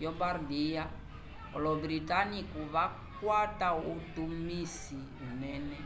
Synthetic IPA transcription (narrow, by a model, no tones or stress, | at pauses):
jɔbardia | ɔlɔbɾitanikuβa | kwatautumisi | mɛnɛ